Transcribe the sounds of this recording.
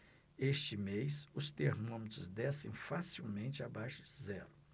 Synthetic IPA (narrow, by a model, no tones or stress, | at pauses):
est͡ʃɪmejsʊst̪eɾmõmet̪ɾʊzd̪ɛsḛ̃j̃fasiwmẽnt͡ʃɪabajʃʊd͡ʒɪzɛɾʊ